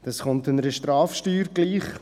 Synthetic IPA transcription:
d̥ɑsχʊntɪnəɾəʃtɾɑːfʃtyːɾɡ̥liːχ

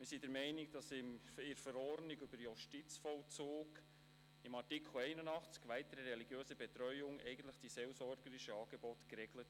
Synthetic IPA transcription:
mɪɾsidɛɾmɛɪnɪk̚d̥ɑsɪmɪɾfəɾɔɾnɪɡʉbəɾjuʃtit͡sfɔlt͡suːɡ | ɪmɑrtɪkʰl̩ɛɪnənɑχt͡skʋæɪt̪əɾəɾɛliɡjøːsəbɛt̪ɾœʏʊŋɛ̰ɪɡən̩t̪ləχd̥isɛlsɔɾɡəɾɪʃəɑːɡ̥ɛbɔtkɾɛɡlət

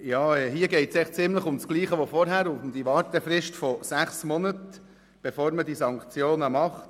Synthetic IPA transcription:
jɑːɛːɦiːəɡɛɪtsɛɪχt͡sɪmləχʊmsɡ̥liːχəʋofɔɾɦæɾʊfmd̥̪iʋɑːɾtəfɾɪʃtfɔsæχsmɔnət | b̥efoːɾmədisɑŋkt͡sjoːnəmɑχt

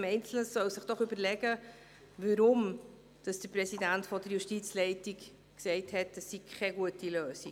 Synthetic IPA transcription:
mɛɪnt͡sl̩nəsœwsɪχd̥ɔχʏbəɾlɛɡə | ʋəɾʊm | d̥ɑsd̥əɾprɛsidæntfɔd̥əɾjuʃtit͡slɛɪtik | ksɛɪthɛt̚d̥əsːikʰɛɡuətiløːsi

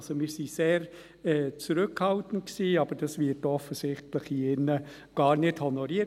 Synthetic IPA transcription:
somɪːɾsiseːɾ | ɛːt͡sɾɵkhɑltən̩t̚ksiːɑb̥əɾd̥ɑsvɪətɔfəsɪχtləχiɪnːə | ɡ̥ɑːɾnɪdhɔnɔɾiə

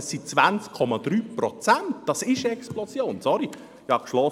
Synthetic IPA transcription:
əsit͡svænt͡skʰɔmɑd̪̥ɾyːpɾɔt͡sæntd̥ɑsɪʃəɛksplɔsjoːnsɔɾi | hɑkʃlɔ

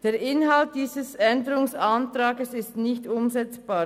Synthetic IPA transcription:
d̥eːɾɪnɦalt̚d̥iːzəsɛndəɾʊŋsantɾaːɡəsɪstnɪçtʊmzɛt͡sb̥aː

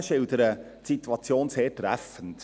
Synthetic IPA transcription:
ʃɪwd̪əɾə | sit̪uɑt͡sjoːnseːɾtɾæ̰fənt

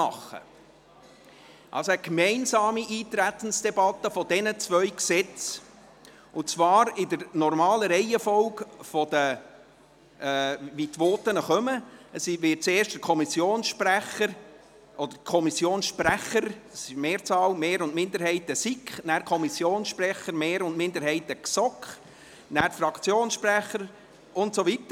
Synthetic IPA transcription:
ɑχːə̰ | ʔɑ̰lsoəkmɛɪnsɑːmiʔiːt̪ɾæt̪ən̩sd̥ɛbɑtːəfɔdɛnət͡svœʏksɛt͡s | ʊt͡sʋɑːɾɪdəɾnɔrmɑːləɾɛɪəfɔlkfɔd̥̪ə | ʋit̪ʋoːtənəχœməəsʋɪt̚t͡seːɾʃtəkʰɔmisjoːnsʃpræχəɾ | ʔɔd̥̪əkʰɔmisjoːnsʃpræχəɾɑsɪʃmeːɾt͡sɑːlmeːɾʊntmɪnd̪əɾhɛɪtəsikχnæːɾkʰɔmisjoːnsʃprɛχəɾmeːɾʊntmɪndəɾhɛɪtəksɔkχ | næːɾfrɑkʰt͡sjoːnsʃpræχəɾ | ʔʊntsɔvitə

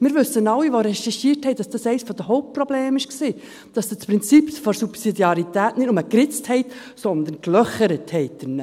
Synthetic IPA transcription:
mɪːɾʋʉsːənɑlːiʋoɾɛʃɛʃiːɾthɛɪd̥ɑsd̥ɑsɛɪsfɔd̥̪əɦɔʊp̚t̚prɔbleːmɪʃksiː | d̥ɑsdəspɾɪnt͡sipsfɔɾsupsidjɑɾit̪æːtnɪdʊməkɾɪt͡sthɛɪt | sɔnd̪ənklœχəɾəthɛɪtdɪn

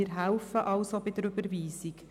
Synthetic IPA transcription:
ɪɾɦælfəʔɑʊsobɪd̪əɾøbəɾviːsik

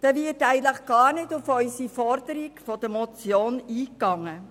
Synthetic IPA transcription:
d̥ɛvɪɾtæɪətləχɡ̥ɑːɾnɪtʊfœʏsifɔɾdəɾikfɔd̥əɾmɔt͡sjoːniːkɑŋə

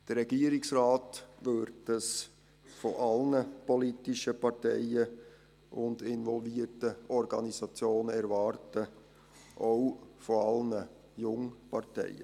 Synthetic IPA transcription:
d̥əɾɛɡ̥iːəɾɪksrɑːtvøɾtəs | fɔʔɑlnəpɔlitɪʃəpɑɾtɛ̰ɪə | ʔʊndɪnvɔlviːətəɔɾɡɑnisɑt͡sjoːnəɛɾvɑːɾtə | ʔoʊfɔɑlnə | jʊŋpʰɑɾtɛ̰ɪə

